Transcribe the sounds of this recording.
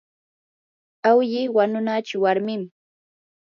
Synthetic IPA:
awʎɪwanʊnat͡ʃʊwaɾmɪm

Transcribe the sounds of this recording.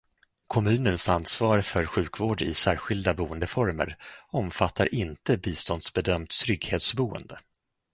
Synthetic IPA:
kʰɔmʉ̟ːnənsanːsvɑːɾfœɾɧʉ̟ːkvoːɖɪ̰sæːɾɧɪld̪abuːənd̪əfɔɾmə̰ɾɔmfat̪ːaɾʔɪnt̪əbiːst̪ɔnd̪sbɛd̪œmt̪t̪ʰːɾʏɡheːt̪sbuːə̰nd̪ə

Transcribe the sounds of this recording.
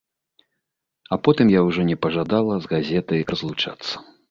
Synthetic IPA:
apɔt̪ɨmjawʐɔnʲɛpɐʐad̪alˠɐzɣazʲɛt̪ɐjrɐzlˠut͡ʂa̰t̪sːɐ̥

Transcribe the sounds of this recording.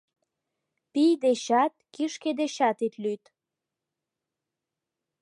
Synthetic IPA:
pijd̪eɕɑt̪̚kiʃked̪eɕɑt̪it̪lyt̪

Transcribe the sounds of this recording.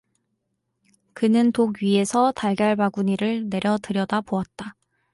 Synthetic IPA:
kɯnɯntoɡɥie̞sʰʌtaɭɡjaɭmaɡuɲiɾɯɭne̞ɾjʌtɯɾjʌdapoat̚t͈a

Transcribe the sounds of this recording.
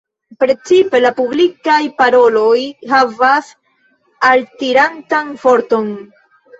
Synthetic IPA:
pɾe̞t͡sipe̞lapublikajpaɾo̞lo̞jɦavas | altiɾantanfo̞ɾto̞n

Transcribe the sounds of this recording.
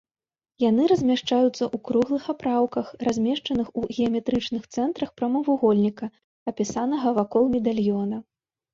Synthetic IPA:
jan̪ɨɾɐzʲmʲaʂt͡ʂajut̪sːɐʔukɾuɣlˠɨxapɾawkɐxrazʲmʲɛʂt͡ʂɐnɨxuɣʲɛɐmʲɛt̪ɾɨt͡ʂnɨxt̪sɛnt̪ɾɐxpɾɐmɐvuɣɔlʲnʲikɐ | ɐpʲisanɐɣɐvakɔlˠmʲɛd̪alʲjɔnɐ

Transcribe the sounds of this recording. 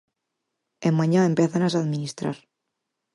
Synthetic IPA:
emmaɲaempjeθanasaðmĩnist̪ɾa̰ɾ

